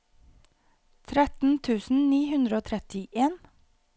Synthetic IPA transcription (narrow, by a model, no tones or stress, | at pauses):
t̪ʰɾɛt̪n̩t̪ʰʉːsn̩niːhʉnd̪ɾoːt̪ʰɾɛt̪ɪʔeːn